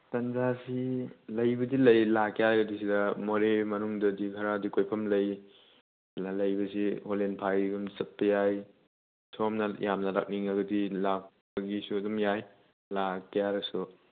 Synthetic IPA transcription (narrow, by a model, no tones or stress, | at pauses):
tɐnzasilɐjbɐdilɐjlakʰjaɾɐdis̬idɐmoɾemɐnuŋdɐdikʰɐɾadikojpʰɐmlɐj | lɐjbɐsiholenpʰajɡumsɐt̚pːɐjaj | sʰɔmnɐjamnɐla̰k̚niŋɐɡɐdilak̚pɐɡisuɐdɔmjaj | lakːjaɾɐsu